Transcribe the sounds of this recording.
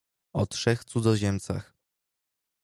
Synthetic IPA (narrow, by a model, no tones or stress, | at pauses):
ɔtʂɛxt̪sud̪ɔʑɛmt̪sa̰x